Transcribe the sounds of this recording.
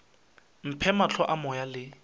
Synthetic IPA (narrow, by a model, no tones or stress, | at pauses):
m̩pʰɛmat͡ɬʰɔʔamɔjalɪ